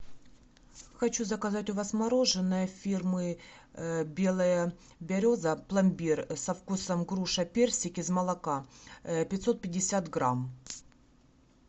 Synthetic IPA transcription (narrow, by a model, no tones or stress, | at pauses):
xɐt͡ɕuzəkɐzatʲʊvazmɐɾo̞ʐɨnːəjəfʲirmɨ | bʲe̞lˠəjə | bʲɐɾʲo̞zəplˠɐmʲbʲirsɐfkusəmɡɾuʂɐpʲersʲɪkʲɪzmɐlˠɐkapʲɪt̪ʲso̞t̪̚pʲɪdʲːɪsʲat̪ɡɾam